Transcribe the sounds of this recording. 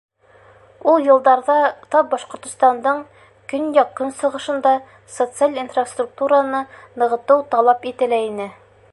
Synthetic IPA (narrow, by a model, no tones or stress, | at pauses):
ulˠjɤ̆lˠd̪ɑɾðɑt̪ɒp̚bɒʃqŏɾt̪ŏst̪ɑnd̪ɤɴ | kɵnjɒqːɤnsɤ̆ʁɤ̆ʃɤ̆nd̪ɑ | sot̪sɨalʲinfrast̪ruk̚t̪uɾanɤnɤ̆ʁɤ̆t̪ɤwt̪ɒlˠɑpit̪ɘ̆læinɘ